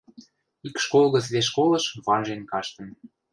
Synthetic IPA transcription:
ikʃkolɣə̆t͡sβeʃ̬kolɤ̆ʃβɑnʒenkɑʃt̪ə̆n

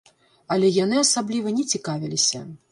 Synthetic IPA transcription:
ɐlʲɛjan̪ɨasablʲivɐnʲɛt͡sʲikavʲilʲisʲɐ̰

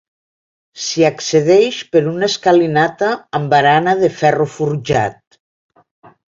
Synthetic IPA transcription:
siakseðɛʃpeɾuneskalinat̪aːmbaɾanaðefɛrufuɾʒa̰t̪̚

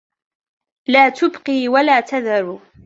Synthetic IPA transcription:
laːt̪ʊbqiːwalaːt̪aðaɾuː

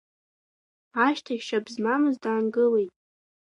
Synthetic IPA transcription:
aʃtʰaʃabzmamɨzdaːnɡɨle̞jtʼ

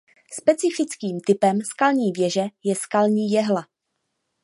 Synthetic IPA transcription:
spɛt͡sɪfɪt͡skiːmt̪ɪpɛmskalɲiːvjɛʒɛjɛskalɲiːjɛɦla

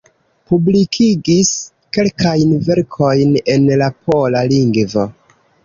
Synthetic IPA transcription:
publikʰiɡis | ke̞lkajnve̞ɾkʰo̞jne̞nlapʰo̞laliŋɡvo̞

